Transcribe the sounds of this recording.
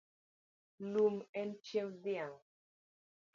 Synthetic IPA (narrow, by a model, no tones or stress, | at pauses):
lumɛnt͡ʃẽmd̪iãŋ